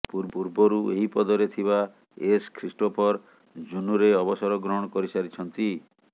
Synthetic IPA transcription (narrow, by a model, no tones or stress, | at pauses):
puɾbuɾbɔɾueɦipɔd̪ɔɾet̪ʰiβa | eskʰɾisʈopʰɔɾ | d͡ʒunuɾeɔbɔsɔɾɔɡɾɔɦɔɽ̃ɔkɔɾisaɾit͡ʃʰɔnt̪i